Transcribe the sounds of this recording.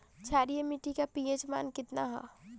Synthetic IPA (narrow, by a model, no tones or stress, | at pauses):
t͡ʃʰaːɾijemiʈikapied͡ʒma̰ːnkɪt̪naɦa̰